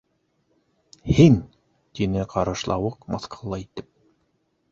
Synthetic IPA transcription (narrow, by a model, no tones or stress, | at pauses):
hin | t̪inɘqʰɑɾɤ̆ʃlˠɑwɤqmɑ̰θqʰolˠːɑit̪ɘp̚